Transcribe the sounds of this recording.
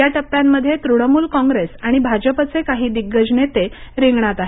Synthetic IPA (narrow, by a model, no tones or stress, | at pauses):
jaʈəp̚t̪jamːəd̪ʱːjet̪ɾuɽ̃əmuːlkɔ̃ŋɡɾesaɽ̃ibʱad͡ʑəpət͡sekaɦiːd̪iɡːəd͡ʑnet̪eɾiŋɡɳat̪aɦe